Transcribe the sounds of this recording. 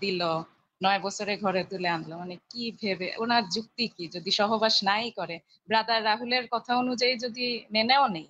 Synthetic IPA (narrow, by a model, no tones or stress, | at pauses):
d̪ilo | nɔebɔt͡ɕʰoɾeɡʱɔɾet̪uleand̪lomanekibʱebeonaɾd͡ʑuk̚t̪ikid͡ʑod̪iʃɔɦobaʃnajkɔɾe | bɾad̪aɾːaɦuleɾkɔt̪ʰaonud͡ʑajd͡ʑod̪ineneonej